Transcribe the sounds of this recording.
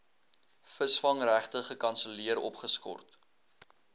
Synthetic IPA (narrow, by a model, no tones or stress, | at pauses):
fəsfɐŋræχtəχəkɐnsəliəɾɔ̰pχəskɔ̰rt